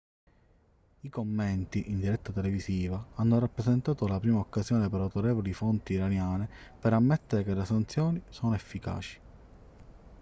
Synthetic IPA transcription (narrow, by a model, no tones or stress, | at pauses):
ikomːɛnt̪iʔind̪iɾɛt̪ːat̪eleviziːvaanːoɾapːɾezent̪aːt̪olapɾiːmaokːazjɔːnepeɾawt̪oɾeːvolifont̪iːɾanjaːnepeɾamːɛt̪ːeɾekelesant̪sjɔːnisɔːnoefːika̰ːt͡ʃi̥